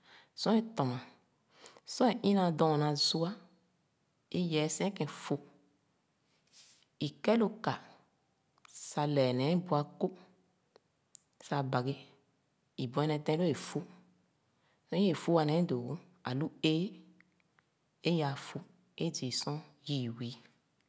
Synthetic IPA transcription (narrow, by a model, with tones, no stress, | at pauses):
sɔ̃˦e˦t̪ɔ̃˨ã˨ | sɔ̃˦e˨ʔĩ˦nã˧dɔ̃˨nã˨˧zu˦a˦ | e˦jɛ˨˦sɛ̃˦kɛ̃˧fo˦ | i˨kɛ˦lo˧ka˨ | sa˧lɛ˨nɛ̃˨˦bu˧a˧ko˦ | sa˧ba˨ɡe˦ | i˨bɔ̃˨ɛ˦nɛ̃˧tɛ̃˧˦lo˦e˨fu˦ | sɔ̃˦e˨fu˦wa˧nɛ̃˨˦do˨˦ | a̰˨lu˦e˦ | e˦ja˨fu˦ | e˦d͡ʒi˨sɔ̃˦ | ji˨wi˨˦